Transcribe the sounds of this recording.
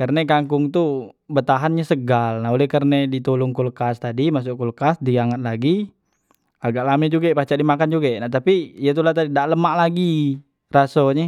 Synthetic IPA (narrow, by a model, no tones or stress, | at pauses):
kərnɛkaŋkʊŋt̪u | bət̪aɦanɲasəɡalnaɦolɛhkərnedit̪olʊŋkulkast̪adimas̬ʊʔkulkasdiaŋat̪̚laɡi | aɡaʔlamɛd͡ʒuɡapat͡ʃaʔdimakand͡ʒuɡanaht̪apiijat̪̬ulaht̪adidaʔləmaʔlaɡi | rasoɲɛ